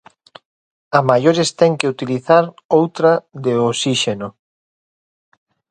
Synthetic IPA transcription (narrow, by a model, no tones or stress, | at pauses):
amajoɾest̪ɛŋkeut̪iliθaɾ | owt̪ɾaðeosiʃeno